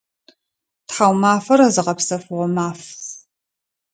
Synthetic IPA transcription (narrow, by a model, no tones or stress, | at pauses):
tħawmaːfɐɾɐzɨqɐpsɐfʁʷɔmaːf